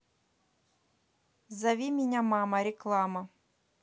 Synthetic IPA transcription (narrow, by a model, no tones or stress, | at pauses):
zɐʋʲimʲinʲamamɐɾʲɛklˠamɐ